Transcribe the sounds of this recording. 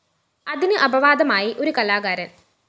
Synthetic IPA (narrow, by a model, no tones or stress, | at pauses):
ɐðinɨʔɐbɐʋaːd̪ɐmaːjiʔo̞ɾukɐlaːɡaːɾɐn